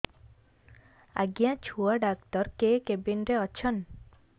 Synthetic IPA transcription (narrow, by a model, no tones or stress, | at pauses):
a̰ɡijãt͡ɕʰuaɖakt̪ɔɾkekebinɾeɔt͡ɕʰɔn